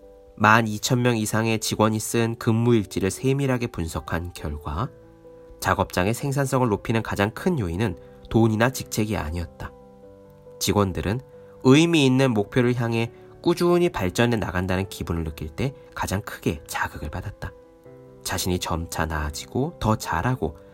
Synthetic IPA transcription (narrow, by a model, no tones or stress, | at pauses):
manit͡ɕʰʌnmjʌŋisʰaŋe̞t͡ɕiɡwʌɲis͈ɯnkɯmːuiɭt͡ɕ͈iɾɯɭsʰe̞miɾɦaɡe̞punsʰʌkʰankjʌ̰ɭɡwa | t͡ɕaɡʌp̚t͡ɕ͈aŋe̞sʰe̞ŋsʰans͈ʌŋɯɭːopʰinɯnkad͡ʑaŋkʰɯnjoinɯn | toɲinat͡ɕik̚t͡ɕʰe̞ɡia̰ɲiʌt̚t͈a | t͡ɕiɡwʌndɯɾɯn | ɯimiːnːɯnmok̚pʰjoɾɯɭçjaŋɦe̞ | k͈ud͡ʑuɲipaɭt͡ɕ͈ʌne̞na̰ɡandanɯnkibunɯɭːɯk͈ʰːiɭt͈e̞ | kad͡ʑaŋkʰɯɡe̞t͡ɕaɡɯɡɯɭpadat̚t͈a | t͡ɕaɕʰiɲit͡ɕʌmt͡ɕʰanad͡ʑiɡ̥otʌt͡ɕa̰ɾaɡo